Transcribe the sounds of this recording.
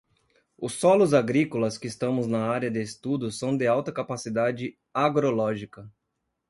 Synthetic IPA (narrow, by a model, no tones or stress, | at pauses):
ʊsːɔlʊzaɡɾikʊlɐskɪːst̪ɐ̃mʊznɐaɾjɐd̪ɪːst̪ud̪ʊsɐ̃w̃d̪ɪawt̪ɐkapasid̪ad͡ʒɪ | aɡɾolɔʒikɐ